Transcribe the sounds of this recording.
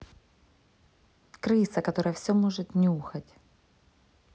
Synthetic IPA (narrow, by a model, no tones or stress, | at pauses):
kɾɨsɐkɐt̪o̞ɾəjəfsʲomo̞ʐɨt̪nʲɪuxɐtʲ